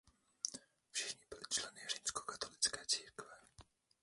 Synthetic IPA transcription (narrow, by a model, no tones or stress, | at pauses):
v̥ʐɛxɲibɪlɪt͡ʃlɛnɪjɛʐimskɔ̥kat̪ɔlʲitskɛt̪siɾkvɛ